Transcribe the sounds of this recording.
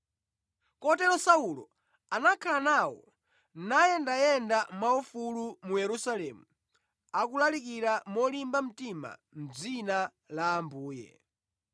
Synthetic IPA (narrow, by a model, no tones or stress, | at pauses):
kɔtɛɾɔsaulɔ̰ | anakʰalanawɔ̰ | najɛndajɛndamaufulumujɛɾusalɛmu | akulalik̬iɾamɔlimbam̩tima̰m̩d͡zina | laːmbuːjɛ̰